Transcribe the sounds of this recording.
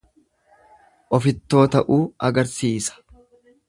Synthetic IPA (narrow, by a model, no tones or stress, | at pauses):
ʔɔfɪt̪ːo̞ːt̪ɐʔuːɐɡɐɾsiːsɐ̥